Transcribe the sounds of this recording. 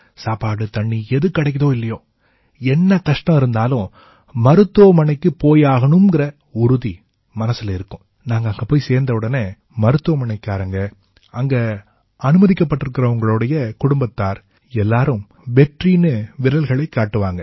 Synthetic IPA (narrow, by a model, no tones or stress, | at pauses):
saːpaːɽɯt̪ɐɳːiɛðɯkːɐɽɐɪkːɐðõːɪlːɐjoː | ɛnːɐkɐʂʈɐ̃mɪɾɯnd̪aːlʊ̃ | mɐɾɯt̪ːoːmɐɳɐɪkːɯpoːjaːɣɐɳɯmɡɪɾɐ | ʊɾʊði | mɐnɐsɪlɐɪɾɯkːʊ̃ | naːŋɡɐːŋɡɐpoːjiseːɾnd̪ɐʋɯɽɐneː | mɐɾɯt̪ːoːmɐnɐɪkːaːɾɐŋɡɐ | ɐŋɡɐ | ɐnɯmɐðɪkːɐp̬ːɐʈːɪɾɯkːɪɾɐʊŋɡɐɭɯɽɐjɐkʊɽʊmbɐt̪ːaːɾ | ɛlːaːɾɯ̃m | ʋɛʈriːnɯʋɪɾɐlɣɐɭɐɪkːaːʈːɯʋaːŋɡɐ